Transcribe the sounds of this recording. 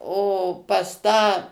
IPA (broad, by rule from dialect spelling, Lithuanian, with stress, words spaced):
oː pɐs ˈtɑː